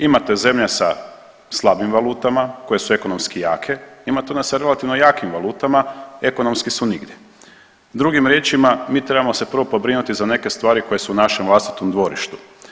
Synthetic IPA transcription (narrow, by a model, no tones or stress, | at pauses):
imat̪e̞ze̞mʎesa̰ | slˠabimʋalˠuːt̪amako̞je̞sue̞ko̞no̞mskija̰ːkʰe̞imat̪eonesaɾe̞lat̪iʋno̞jaːkimʋalˠuːt̪amae̞ko̞no̞mskisuniɡd̪je̞ | d̪ɾuɡimɾjeːt͡ʃimamiːt̪ɾe̞bamo̞se̞pr̩ʋo̞po̞bɾinut̪izane̞ke̞st̪ʋaːɾiko̞je̞suːnaʃemʋlˠast̪i̥t̪omd̪ʋo̞ɾiʃt̪u̥